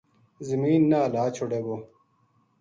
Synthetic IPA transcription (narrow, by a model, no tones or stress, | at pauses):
zimiːnːaːlaːt͡ɕʰoɽeːɡoː